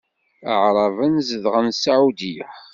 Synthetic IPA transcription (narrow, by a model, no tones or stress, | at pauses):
əʕɾˤɑvənzəðʁənsaʕud̪i